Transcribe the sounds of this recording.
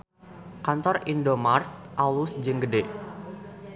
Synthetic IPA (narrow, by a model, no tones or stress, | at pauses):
kant̪ɔrindomart̪̚ʔalusd͡ʒɨŋɡədɛ